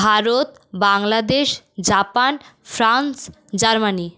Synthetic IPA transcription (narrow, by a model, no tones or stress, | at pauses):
bʱaɾot̪ | baŋlad̪eʃ | d͡ʑapanfʰɾans | d͡ʑaɾmani